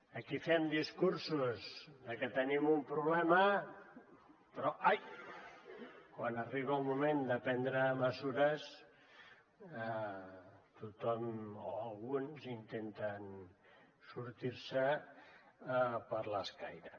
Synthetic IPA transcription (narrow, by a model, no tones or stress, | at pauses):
əkifɛmd̪iskuɾsuzðəkət̪ənimumpɾuβlɛmɐ | pɾɔʔaj | kwanəriβ̞almumẽnd̪əpɛnd̪ɾəməzuɾəs | t̪ut̪ɔmoalˠɣunzint̪ent̪ən | suɾt̪iɾsə | pəɾləskajɾə